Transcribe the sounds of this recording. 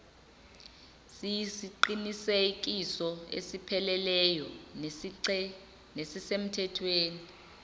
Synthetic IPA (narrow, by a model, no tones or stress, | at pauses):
sijsiǃiniseɛik̬isɔḛsipʰɛlɛlɛjɔ | nesisem̩tʰɛtʰweːni